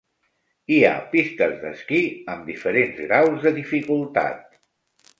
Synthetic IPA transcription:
ia̰pist̪əzðə̰skiəmd̪ifəɾenzɣɾawzðəðifikulˠt̪a̰t̪̚

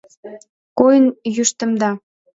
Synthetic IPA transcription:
kojənjyʃt̪ə̆md̪ɑ

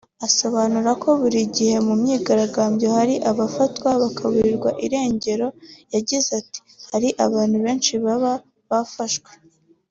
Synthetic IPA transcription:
aso̞βanuɾako̞βuɾiɟihe̞mumɲiːɡaɾaɡaːmbjo̞haɾiʔaβafatwaβakʰaβuɾiɾɡwaʔiɾe̞ːɲɟe̞ɾo̞jaɟizati̥haɾiʔaβaːn̥huβe̞ːnʃiβaβa | βafaʃwe̥

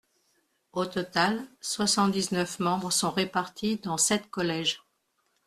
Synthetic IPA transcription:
ot̪ɔt̪alswasɑ̃t̪d̪iznœfmɑ̃bʁsɔ̃ʁepaʁt̪ʰid̪ɑ̃sɛt̪kɔlɛʒ

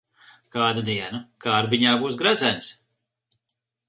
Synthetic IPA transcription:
kaːd̪ad̪iɛnakaːɾbiɲaːbuːsɡɾad̪zænʲs

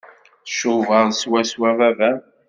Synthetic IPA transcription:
θʃuvəʁswæswævævæ

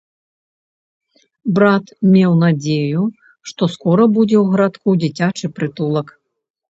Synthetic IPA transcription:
bɾat̪mʲɛwnad͡zʲeju | ʂt̪ɔskɔɾɐbud͡zʲɛwɣɐɾat̪kud͡zʲit͡sʲat͡ʂɨpɾɨt̪ulˠɐk

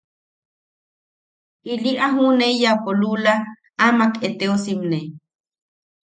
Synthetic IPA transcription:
iliʔaɦunejapolula | amaket̪eosimne

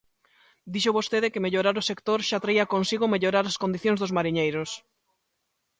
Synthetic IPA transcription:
d̪iʃʊβost̪eðɪkɪmeʎoɾaɾʊsekt̪oɾʃat̪ɾaiakonsiɣomeʎoɾaɾaskond̪iθjõŋzðozmaɾiɲejɾos

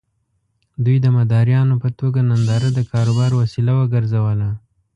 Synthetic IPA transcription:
d̪ujd̪əmad̪ɑɾjɑnopət̪oɡanand̪ɑɾad̪əkʰɑɾobɑɾwasilawəɡəɾzawəla

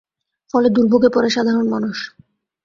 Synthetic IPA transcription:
fɔled̪uɾbʱoɡepɔɾeʃad̪ʱaɾonmanuʃ

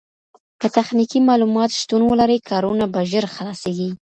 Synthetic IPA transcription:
kət̪axnikimɑlumɑt̪ʃt̪unwəlaɾəkʰɑɾunabaʒəɾxlɑseɡi

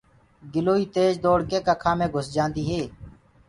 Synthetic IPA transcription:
ɡɪloːiːt̪eːd͡ʒd̪oːɽkeːkəkʰãːmẽːɡʱʊsd͡ʒãːnd̪iːɦeː

